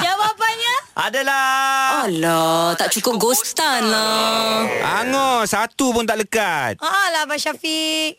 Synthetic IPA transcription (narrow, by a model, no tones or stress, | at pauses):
d͡ʒawapanɲəʔa̰dalaalɔt̪aʔt͡ʃukʊp̚ɡost̪anla | ʔa̰ŋɔsat̪upʊnt̪aʔləkat̪̚aʔalabaʃafik̚